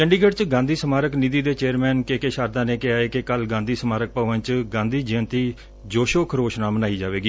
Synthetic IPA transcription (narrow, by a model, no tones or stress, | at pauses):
t͡ʃəɳɖiːɡəɖt͡ʃɡãːnd̪iːsəmaːɾəknid̪iːd̪eːt͡ʃeːəɾmɛːnkeːkeʃaːɾd̪ãːneːkɪaːeːkɪkəlɡãːnd̪iːsəmaːɾək̚pəʋə̃nt͡ʃɡãːnd̪iːd͡ʒeənt̪iː | d͡ʒoːʃoːkʰəɾoːʃnaːmənaːiːd͡ʒaːʋeːɡiː